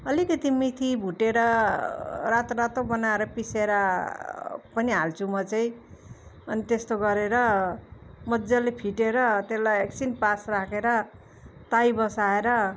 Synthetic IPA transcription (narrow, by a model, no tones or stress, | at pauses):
ʌlikʌt̪imit̪ʰibʱuʈeɾʌ | rat̪oɾat̪obʌnaeɾʌpiseɾa | pʌniɦalt͡sʰumʌt͡sʌĩ | ʌnit̪est̪oɡʌɾeɾʌ | mʌd͡zalepʰiʈeɾʌt̪eslajeksinpasrakʰeɾʌ | t̪ajbʌsaeɾʌ